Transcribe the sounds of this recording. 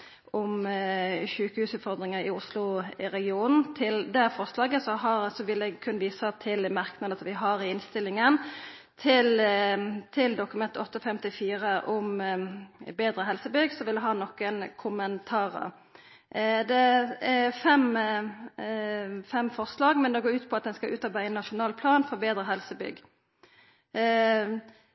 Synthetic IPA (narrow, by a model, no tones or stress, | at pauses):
ɔm | çʉːkəhʉːsʉːt̪fɔʁd̪ɾɪŋəɾɪʊslʊɾɛɡɪuːnn̩t̪ʰɪld̪ɛfɔɾslɑːɡəsɔɦɑɾsɔʋɪlɛɡkʰʉnːəʋiːsɑt̪ʰɪlmɑʁknɑd̪əsɔmʋɪɦɑɾɪɪnst̪ɪlːɪŋənt̪ʰɪl | t̪ʰɪld̪ʊkʉmɛnt̪əɔt̪ːəɔfɛmt̪ɪfiːɾəʔɔm | beːd̪ɾəɦɛlsəbʏɡsɔʋɪld̪ɛɦɑːnɔkənkʰʊmənt̪ʰɑːʁə̰ɾ | d̪ɛæfɛm | fɛmfɔʁslɑːɡmɛnd̪ɛɡoːɾʉːt̪pʰɔɑt̪̚d̪ɛnskɑʔʉːt̪ɑɾbæɪɛnːɑʃʊnɑːlpʰlɑːnfɔbeːd̪ɾəɦɛlsəbʏ̰ɡː